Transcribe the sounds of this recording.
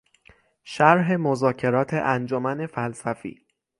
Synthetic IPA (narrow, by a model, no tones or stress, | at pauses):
ʃæɾɦe̞mozɒːcʰe̞ɾɒːt̪ʰḛʔænd͡ʒomæne̞fælsæfḭː